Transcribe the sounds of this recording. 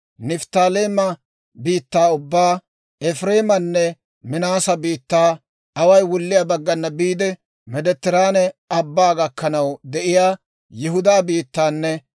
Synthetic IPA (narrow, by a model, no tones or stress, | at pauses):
nɪft̪aːleːmɐ | biːt̪ːaːʊbːaː | ɛfɾeːmɐnːɛ | mɪnaːsɐbiːt̪ːaː | ɐwɐjwʊlːɪjaːbɐɡːɐnːɐbiːd̪ɛ | mɛd̪ɛt̪ːɪɾaːnɛɐbːaːɡɐkːɐnɐwd̪ɛʔɪjaː | jɪɦʊd̪aːbiːt̪ːaːnːɛ